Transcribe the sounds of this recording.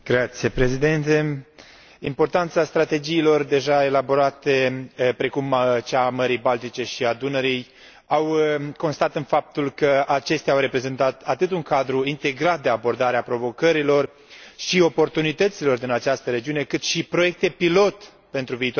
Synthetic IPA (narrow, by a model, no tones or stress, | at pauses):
ɡ̥ɾat̪sije̞pɾe̞zid̪e̞nt̪e̞ | impo̞rt̪ant̪sast̪ɾat̪e̞d͡ʒiːlo̞rd̪e̞ʒae̞labo̞ɾat̪e̞pɾe̞kumt͡ʃaməɾijbalt̪it͡ʃe̞ʃiad̪unəɾij | awko̞nst̪at̪ɨnfap̚t̪ulkəat͡ʃe̞st̪eawɾe̞pɾe̞ze̞nt̪at̪at̪ɨt̪uŋkad̪ɾuint̪e̞ɡɾat̪̚d̪e̞abo̞rd̪aɾeapɾo̞vo̞kəɾilo̞r | ʃio̞po̞rt̪unit̪ət̪silo̞rd̪inat͡ʃast̪əɾe̞d͡ʒiune̞kɨt̪ʃipɾo̞je̞k̚t̪e̞pilo̞t̪ | pe̞nt̪ɾuviːt̪o